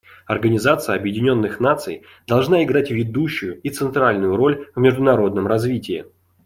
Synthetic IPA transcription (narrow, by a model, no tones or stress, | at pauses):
ɐrɡənʲɪzat̪sɨjəɐbjɪdʲɪnʲo̞nːɨxnat̪sɨ̰j | d̪̥ɐlˠʐnaɪɡɾatʲvʲɪd̪uɕːʊjʊit̪sɨnt̪ɾalʲnʊjʊɾo̞lʲvmʲɪʐd̪ʊnɐɾo̞d̪̚nəmrɐzvʲitʲɪɪ